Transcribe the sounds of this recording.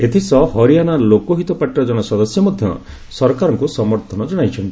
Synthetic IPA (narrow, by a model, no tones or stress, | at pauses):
et̪ʰisɔɦɔɾijanalokɔɦit̪ɔpaʈɾɔd͡ʒɔɽ̃ɔsɔd̪ɔsjɔmɔd̪ʱjɔ̰ | sɔɾkaɾɔŋkusɔmɔɾt̪ʰɔnɔd͡ʒɔɽ̃ajt͡ʃʰɔnt̪i̥